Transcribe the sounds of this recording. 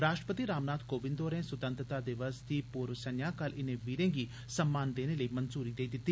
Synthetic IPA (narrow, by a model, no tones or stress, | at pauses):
ɾaːʃʈɾəpət̪iːɾaːmnaːd̪koːʋɪ̃nd̪oːɾẽːsʊt̪ə̃nt̪ɾət̪aːd̪ɪʋəsd̪iːpuːɾʋsənjãːkəlɪnẽːʋiːɾẽːɡiː | səmːaːnd̪eːneːləiːmənzuːɾiːd̪eːid̪ɪt̪ːiː